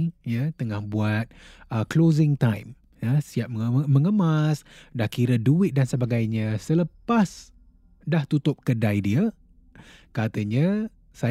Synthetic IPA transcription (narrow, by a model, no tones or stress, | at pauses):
jət̪əŋahbuat̪̚əklozɪŋt̪ajm | jəsiap̚mməŋəmasdahkiɾəduɪt̪̚dansəbaɡajɲə̃sələpas | daht̪ut̪ʊp̚kədajdiə | kat̪əɲə̃ | sa